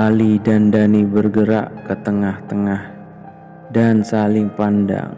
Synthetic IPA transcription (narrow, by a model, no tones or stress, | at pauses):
alidandanibərɡəɾa̰ʔkət̪əŋaht̪əŋah | dansalɪŋpanda̰ŋ